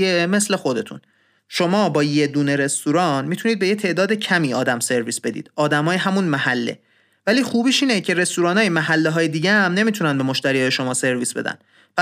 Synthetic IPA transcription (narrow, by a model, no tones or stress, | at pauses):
eme̞sle̞xo̞d̪e̞t̪ʰṵn | ʃo̞mɒːbɒːje̞d̪uːne̞ɾe̞st̪uːɾɒːnmiːt̪ʰuniːd̪̚be̞jet̪ʰe̞ʔd̪ɒːd̪ecʰæmiːɒːd̪æmse̞ɾviːsb̥e̞d̪ḭːd̪ɒːd̪æmɒːjeɦæmunmæhælːḛ | væliːxuːbiːʃiːnecʰe̞ɾe̞st̪uːɾɒːnɒːjemæɦælːeɦɒːjed̪iːɟææmne̞miːt̪ʰunænbe̞moʃt̪æɾijɒːjeʃo̞mɒːse̞ɾviːsb̥e̞d̪æ̰n | pʰæ